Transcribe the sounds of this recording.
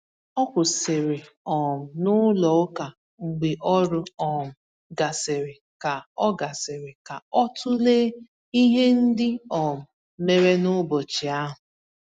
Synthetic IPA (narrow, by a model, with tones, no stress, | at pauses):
ɔ˦kʷʊ˨sɪ˨ɾɪ˨ | ɔ˨m̩˨nʊ˦lɔ˨ʊ˦ka˨ | ŋ͡m̩˨ɡ͡bɪ˨ʔɔ˦ɾʊ˦ɔ˨m̩˨ | ɡa˨sɪ˨ɾɪ˨ | ka˨ɔ˦ɡa˨sɪ˨ɾɪ˨ka˨ɔ˦tʊ˦leː˦ | i˦ɦe˦n̩˦dɪ˦ɔ˨m̩˨ | me˦ɾe˦nʊ˦bo˨t͡ʃɪ˨a˦ɦʊ˨